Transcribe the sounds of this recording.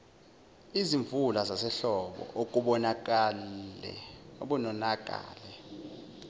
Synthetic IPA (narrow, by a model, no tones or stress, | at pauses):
iziɱvulazasɛɬɔɓɔ̰ʔok̬ʼuɓɔnak̬ʼalɛ̰oɓunɔnakʼa̰ːlɛ